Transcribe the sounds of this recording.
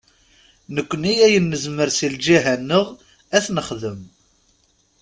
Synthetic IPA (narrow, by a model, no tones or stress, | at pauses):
nəkʷːənijæjənːəzməɾsild͡ʒiɦænːəʁ | æθnəχðəm